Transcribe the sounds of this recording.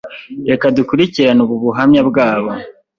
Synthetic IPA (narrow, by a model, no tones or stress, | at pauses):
ekadukuɾiciɾanuβuβuɦamɲabɡaːβo̞